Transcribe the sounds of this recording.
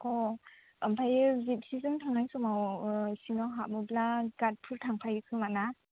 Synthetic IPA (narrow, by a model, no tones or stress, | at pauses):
kʰɔ | ampʰajɯzip̚sizɯŋtʰaŋajsɔmawsinɔɦamɯblaɡat̚pʰɯɾtʰaŋpʰajɯkʰɯmana